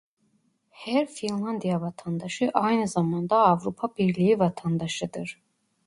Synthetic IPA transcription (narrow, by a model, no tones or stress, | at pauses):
hæɾfinlˠand̪ijavɑt̪ʰand̪ɑʃɯʔajnɯzamɑnd̪aːvɾupʰabiɾlʲijivɑt̪ʰand̪ɑʃɯd̪ɯɾ̥